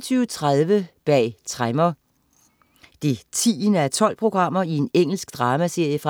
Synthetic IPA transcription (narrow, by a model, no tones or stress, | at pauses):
t͡sʰyːʊt͡sʰʁaðˠʋəb̥ɛ̰ːt͡sʰʁamɐ | d̥e̝t͡sʰḭːnəæɐt͡sʰɒ̽l̰pʰʁo̝ɡ̥ʁɑ̈m̰ɐie̝neŋ̰l̩sɡ̥̚d̥ʁɑ̈ːmæse̝ɐ̰jəfʁɑ